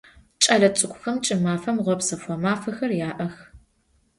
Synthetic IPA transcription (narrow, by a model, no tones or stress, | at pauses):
t͡ʃʼɐɮɐt͡sʼɨkʷʼʊxɐmt͡ʃʼɪmaːfɐmʁʷɔpsɐfʷɔmaːfɐxɐrjaːʔɐx